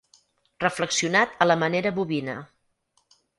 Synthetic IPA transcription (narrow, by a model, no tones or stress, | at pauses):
rəfləksiunat̪ələməneɾəβuβinə̰